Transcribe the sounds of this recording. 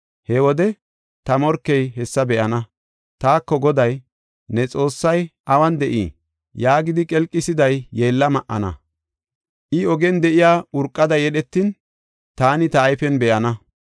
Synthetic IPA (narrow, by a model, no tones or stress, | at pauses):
hɛwɔd̪ɛ | t̪ɐmɔɾkːɛjɦɛsːɐbɛʔɐnɐ | t̪aːkːɔɡɔd̪ɐj | nɛt͡sʼo̞ːsːɐjʔɐwɐnd̪ɛʔḭː | jaːɡɪd̪ɪkʼɛlkʼːɪsɪd̪ɐjːe̞ːlːɐmɐʔɐ̰nɐ̰ | ʔɪɔɡɛnd̪ɛʔɪjaːʊɾkʼːɐd̪ɐjɛɗɛt̪ːin | t̪aːnɪt̪ɐːjfɛnbɛʔɐnɐ